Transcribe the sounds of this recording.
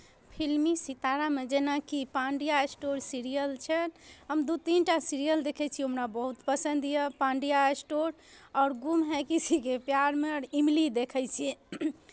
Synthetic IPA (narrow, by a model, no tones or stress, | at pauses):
pʰilmisit̪aɾamed͡ʒenakipãɳɖijaesʈoɾsiɾijəlt͡ʃʰənɦəmd̪ut̪inʈasiɾijəld̪ekʰɛt͡ʃʰiomnabəɦut̪pəsə̃nd̪ijəpãɳɖijaesʈoɾ | ɔʊɾɡumɦɛkit͡ʃʰikepjaɾmeɾimlid̪ekʰɛjt͡ʃʰi